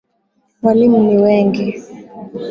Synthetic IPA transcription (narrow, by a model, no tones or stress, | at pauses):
mwalimuniwɛŋɡi